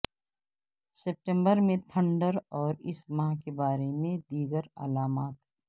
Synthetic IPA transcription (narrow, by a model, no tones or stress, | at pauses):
sep̚ʈẽmbəɾmẽt̪ʰə̃ɳɖəɾɔːɾɪsmãɦkebaːɾemẽd̪iːɡəɾə̰laːmaːt̪ɦɛ